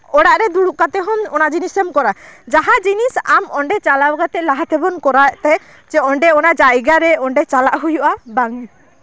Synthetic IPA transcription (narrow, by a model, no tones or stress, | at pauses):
ɔɽaʔɾɛd̪uɽuʔkat̪ɛɦɔnɔnad͡ʒinisɛmkɔɾad͡ʒaɦad͡ʒinisamɔɳɖɛt͡ʃalawɡat̪ɛʔlaɦat̪ɛbɔnkɔɾat̪ɛ | d͡ʒɛɔɳɖɛɔnad͡ʒajɡaɾɛɔɳɖɛt͡ʃalaʔɦujuʔabaŋi